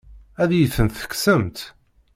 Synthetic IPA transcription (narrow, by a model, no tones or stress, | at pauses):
æðjəθənθə̥kːsəmt̪